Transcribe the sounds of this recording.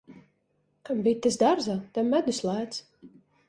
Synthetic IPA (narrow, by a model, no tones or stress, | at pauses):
kambʲit̪ːɨsd̪aɾzat̪amːæd̪uslˠæːt̪s